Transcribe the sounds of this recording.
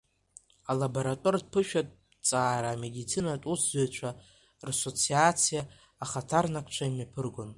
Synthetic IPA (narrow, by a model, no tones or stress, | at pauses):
alabo̞ɾatʼord̚pʰɨʃᶣatʼ | t͡sʼaːɾaːme̞dit͡sʰinatʼuszejt͡ʃʷʰa | raso̞t͡sʰiat͡sʰijaː | χatʰarnakʷʰt͡ʃʷʰaimapʰɨrɡʷʊn